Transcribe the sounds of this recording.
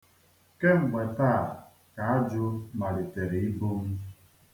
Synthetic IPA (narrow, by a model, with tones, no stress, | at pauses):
ke˦m̩˨ɡ͡ba˨taː˦˨ | ka˨a˦d͡ʒʊ˦ma˨ɾɪ˨te˨ɾe˨i˦bo˦m̩˦